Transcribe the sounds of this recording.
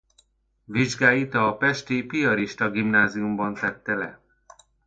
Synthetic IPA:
viʒɡaːjit̪ɒːpɛʃt̪ipiɒɾiʃt̪ɒɡimnaːziumbɒnt̪ɛt̪ːɛlɛ

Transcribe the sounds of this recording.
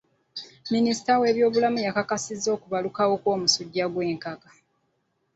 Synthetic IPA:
minisi̥tawe̞ːβjo̞ːβulamujakakasizːo̞ːkuβalukawo̞kwo̞ːmusuɟːaɡwe̞ːŋkakḁ

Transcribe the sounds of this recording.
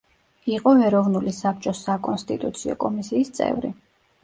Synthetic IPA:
iqʼɔɛɾɔvnulisap̚t͡ʃʼɔsakʼɔnst̪ʼḭt̪ʼut̪sʰiɔ̰kʼɔmisiːst̪sʼɛ̰vɾḭ

